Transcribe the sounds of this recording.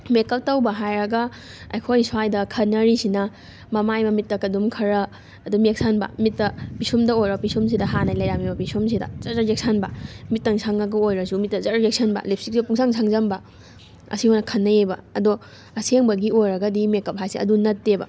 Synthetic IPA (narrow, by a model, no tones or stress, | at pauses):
mekɐp̚tɐwbɐɦajɾɐɡɐ | ɐ̰jkʰojsajdɐkʰɐnːɐɾisinɐ | mɐmajmɐmit̚ːɐkɐdumkʰɐɾɐː | dumek̚sʰanbɐ̰mit̚ːɐpisumdɐojɾɐpisums̬idɐɦanajlɐjɾamibɐpisums̬idɐ̰zɐzɐzek̚sʰanbɐmit̚tɐŋsʰaŋɐɡɐojɾɐsumit̚ːɐzɐɾzek̚sʰɐnbɐ̰lep̚ʰsik̚siɐpuŋsʰaŋsʰaŋzɐmbɐ | ɐ̰sihojnɐkʰɐnːɐebɐ̰ːdo | ɐseŋbɐɡiojɾɐɡɐdimekɐp̚hajsḛɐ̰dunɐtːebɐ̰